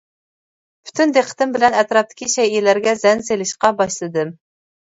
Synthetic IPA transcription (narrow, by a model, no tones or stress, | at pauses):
pʰy̥t̪ʰynd̪eqʰːə̥t̪ɪmbɪlɛnɛt̪ɾɑp̚t̪ʰɪ̥kʲiʃɛjilæɾɡʲɛzɛnselɪʃqɑbɑʃlˠɨd̪ɨm